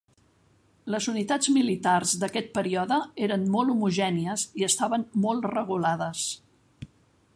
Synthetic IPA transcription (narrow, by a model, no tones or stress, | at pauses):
ləzunit̪ad͡zmilit̪arzd̪əkɛt̪̚pəɾiɔðəeɾənmɔlˠumuʒɛniəziəst̪aβənmɔlˠrəɣulaðəs